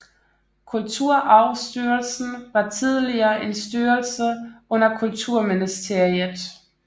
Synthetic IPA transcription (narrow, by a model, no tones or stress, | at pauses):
kʰult͡sʰuɐ̰ʔɑ̈ʊsd̥yːɐlsn̩ʋɑ̈t͡sʰið̞ˠliɐːʔe̝nsd̥yːɐlsəɔ̽n̰ɐkʰult͡sʰuɐ̰minisd̥e̝ɐ̰iðˠ